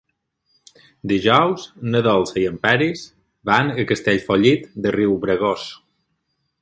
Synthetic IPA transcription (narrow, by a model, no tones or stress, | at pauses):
d̪iʒɔwznəðɔlˠziəmpɛɾis | banəkəst̪eʎfɔʎit̪d̪əriwβɾəɣos